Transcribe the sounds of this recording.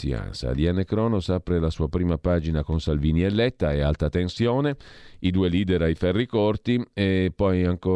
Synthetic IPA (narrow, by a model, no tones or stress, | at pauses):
ḭa̰nsa̰d̪ianːekɾɔːnosapɾelasuːapɾiːmapaːd͡ʒinakonsalviːniɛlːɛt̪ːaealt̪at̪ensjoːneid̪uːeliːd̪eɾajfɛrːikort̪iepːɔjaŋko